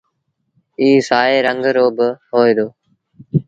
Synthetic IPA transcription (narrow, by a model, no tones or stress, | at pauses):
iːsaːeːɾəŋɡʱɾoːbəɦoːiːd̪oː